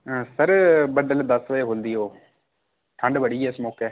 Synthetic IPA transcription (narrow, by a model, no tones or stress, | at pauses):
səɾbəɖəld̪əsʋəeɦoːld̪iɦoː | ʈʰəɳɖbəɽiːɛːsmoːkɛː